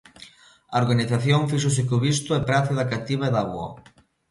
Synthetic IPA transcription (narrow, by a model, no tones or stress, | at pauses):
aoɾɣaniθaθjoŋfiʃ̬os̬ɪkoβist̪ʊɛpɾaθeðakat̪iβaeðaɣwo̰